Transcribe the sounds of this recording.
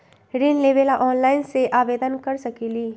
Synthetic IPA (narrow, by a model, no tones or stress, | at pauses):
ɾiːnleːbeːlaʔɔːnlaːɪnseʔaːʋeːd̪ənkɐɾsɐkiliː